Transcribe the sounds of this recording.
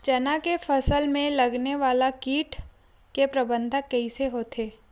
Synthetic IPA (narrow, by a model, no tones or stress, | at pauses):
t͡ʃɐnakefʰɐsəlmẽlɐɡneʋaːlakiːʈʰ | kepɾɐbə̃nd̪ʱəkːɐɦiseɦoːt̪ʰeː